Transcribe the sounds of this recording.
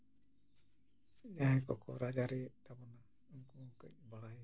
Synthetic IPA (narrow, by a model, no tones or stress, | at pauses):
jaɦɛkɔkʰɔɾad͡ʒaɾit̪abɔna | ŋkukəibaɽaj